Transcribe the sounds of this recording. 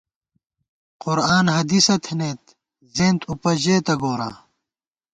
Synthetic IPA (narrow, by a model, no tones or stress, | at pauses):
qʊɾaːnhɐd̪isɐt̪ʰeneːt̪ | zeːnt̪upɐʑeːt̪ɐɡoːɾa̰ː